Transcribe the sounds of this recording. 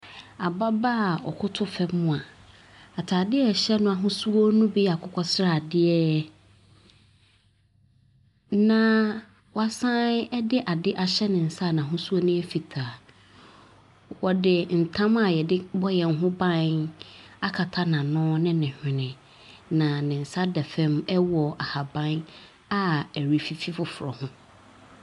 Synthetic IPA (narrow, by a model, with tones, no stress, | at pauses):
a˨ba˦ba˦˨ɔ˨kʰʊ˦tʰʊ˦fɛ˦mʊ̃˦a˨ | a˨tʰaː˨dɪ˦ɛ˦˨ɕɛ˦nʊ̃˦a˨ɦʊ̃˦su˦o˦nũ˦bi˦a˨kʰʊ˦kʰɔ˦sɾa˦˨a˨dɪ˦ɛ˦ | nã˨ | wa˨sã˦ɛ˦dɪ˦ʔa˨dɪ˦ʔa˨ɕɛ˦nɪ̃˨n̩˨sa˦˨nã˨ɦʊ̃˦su˦o˦nʊ̃˦e˦fi˨tʰa˨ | wɔ˨dɪ˨n̩˨tʰã˦ma˨jɛ˨dɪ˦bɔ˦jɛ˨ŋ̩˦ɦʊ̃˦bã˦n | a˦kʰa˨tʰa˦nã˨nʊ̃ː˦nɪ̃˦nɪ̃˨hᶣɪ̃˨nɪ̃˨ | nã˨nɪ̃˨n̩˨sa˦dɛ˨fɛ̃˦mɛ˦wɔ˨ʔa˨ha˨bã˦n | a˦˨ɛ˨ɾi˨fi˨fi˦fʊ˨fʊ˨ɾɔ̰˨hʊ̃˦